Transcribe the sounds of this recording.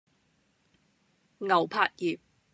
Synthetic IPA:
ŋɐ˨˩wpʰaː˧˥t̚jiː˨p̚

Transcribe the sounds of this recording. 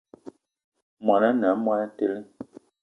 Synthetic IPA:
mwa˨na˦na˨˦mwa˦na˦te˦lə˦

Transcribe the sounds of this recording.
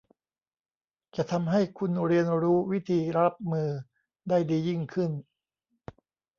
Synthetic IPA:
t͡ɕa˨˩t̪ʰa˧mɦa˥˩jkʰu˧nɾi˧ənɾuː˦˥wi˦˥t̪ʰiː˧ɾa˦˥p̚mɯː˧ | daː˥˩jdiː˧ji˥˩ŋkʰɯ˥˩n

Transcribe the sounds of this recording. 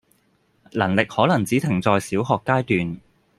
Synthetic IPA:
lɐ˨˩nlɪ˨k̚hɔː˨˥lɐ˨˩ŋt͡siː˨˥t̪ʰɪ˨˩ŋt͡sɔː˨˧jsiː˨˥wɦɔː˨kːaː˥jt̪yː˨n

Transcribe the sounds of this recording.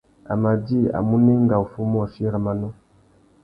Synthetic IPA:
a̰˨ma˨di˦a̰˨mu˦nɛ˦ŋɡa˨u˨fu˦mɔ˦˨fi˦ɾa˨ma˨nɔ˦

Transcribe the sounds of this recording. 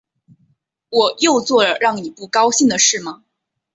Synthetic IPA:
wɔ˨˩jo˥˧ʊt͡swɔ˥˩lə˨˩ɻɑ˥˩ŋni˨˩pu˥˩kɑ˥ʊɕi˥˩ŋd̪ə˩ʂɻ̩˥˩mɐ˩

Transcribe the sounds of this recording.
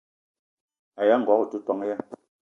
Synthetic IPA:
a˨ja˦˨ŋ̩˨ɡwɔ˨˦ku˨tu˦twɔ˦ŋ˦ja˦

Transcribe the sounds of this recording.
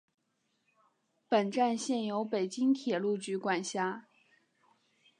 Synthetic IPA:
pə˨˩nʈ͡ʂa˥˧nɕjɛ˥˩njo˧˥ʊpe˨˩ɪt͡ɕi˥ŋt̪ʰjɛ˨˩lu˥˩t͡ɕy˧˥kwa˨˩nɕja˥

